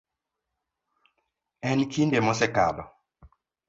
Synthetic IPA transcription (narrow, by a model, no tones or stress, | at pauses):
ɛnkindemɔsɛka̰dɔ